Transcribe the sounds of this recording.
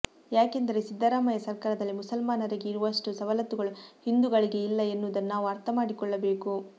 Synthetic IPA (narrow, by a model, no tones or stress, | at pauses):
jaːkend̪ɐɾe̞sid̪ːɐɾaːmɐjɐsɐɾkaːɾɐd̪ɐlːimusɐlmaːnɐɾiɡeiɾuʋɐʂʈusɐʋɐlɐt̪uɡɐɭuhind̪uɡɐɭiɡe̞ilːɐenːud̪ɐnnaːʋuɐɾt̪ʰɐmaːɽikɔɭːɐbe̞ːku